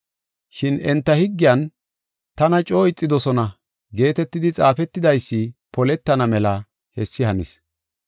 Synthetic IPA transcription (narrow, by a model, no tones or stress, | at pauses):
ʃɪnɛnt̪ːɐhɪɡːɪjɐn | t̪ɐnɐt͡ʃʼo̞ːɪt͡sʼːɪd̪ɔsɔnɐ | ɡe̞ːt̪ɛt̪ːɪd̪ɪt͡sʼaːfɛt̪ːɪd̪ɐjsːɪpɔlɛt̪ːɐnɐmɛlɐ | hɛsːɪhɐmɪ̰s